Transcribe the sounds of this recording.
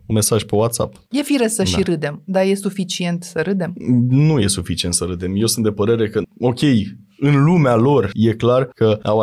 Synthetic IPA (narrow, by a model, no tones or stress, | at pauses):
unme̞saʒpewat̪sa̰p̚ | je̞fiɾesəʃiɾɨd̪emd̪aje̞sufit͡ʃie̞nt̪səɾɨd̪e̞mnuje̞sufit͡ʃiet̪səɾɨd̪emje̞wsɨnt̪d̪epəɾe̞ɾe̞kəo̞kʲe̞j | ɨnlumealo̞rje̞klarkəaw